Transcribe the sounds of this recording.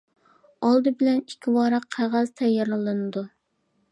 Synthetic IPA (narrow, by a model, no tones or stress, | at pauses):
ɑlˠd̪ɨbɪlɛnikʲʰːiwɑɾɑqʰːæʁæz̥t̪ʰɛjːɑɾlɨlˠɨnɨd̪u